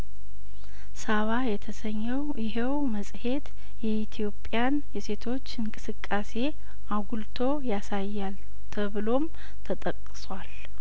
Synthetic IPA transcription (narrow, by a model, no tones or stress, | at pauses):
saβajɛt̪ʰəsəɲːɛwjɪɦewməsʼhe̞t̪ | jɛit̪ʰijo̞pʼjanjɛse̞t̪ʰo̞t͡ʃːɨŋkʼɨsɨkʼːase̞ | ʔaɡult̪ʰo̞jasajːal | t̪ʰəβɨlo̞m | t̪ʰət̪ʼəkʼːswal